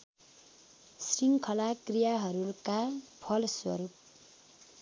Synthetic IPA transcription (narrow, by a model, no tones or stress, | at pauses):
sriŋkʰʌlakrijaɦʌɾukapʰʌlswʌ̰ɾup̚